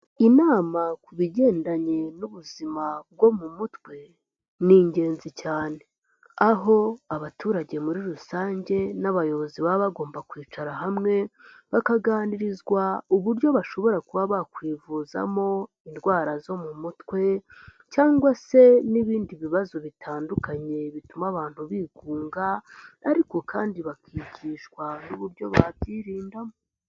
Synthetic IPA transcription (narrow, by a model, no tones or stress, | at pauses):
inaːmakuβiɟe̞ːndaɲe̞nuβuzimab̚ɡo̞mumutwe̞ | niɲɟe̞ːnzicaːne̞ | aɦo̞aβatuːɾaɟe̞muɾiɾusaːɲɟe̞naβajo̞βo̞ziβaβaɡo̞ːmbakwiːt͡ʃaɾaɦamŋe̞ | βakaɡaːniɾizɡwauβuɾjo̞βaʃo̞βo̞ɾakuβaβakwiːvuza̰mo̞ | indɡwaːɾazo̞mumutwe̞ | caːŋɡwase̞niβiːndiβiβazo̞βitʰaːndukaɲe̞βitumaβaːn̥huβiːɡuːŋɡaːɾiko̞kʰaːndiβakʰiɟiːʃkwanuβuɾjo̞βabɟiɾiːndamo